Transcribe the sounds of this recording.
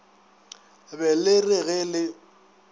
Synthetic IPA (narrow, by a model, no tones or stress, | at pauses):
bɛlɪrɪɣɛlɪ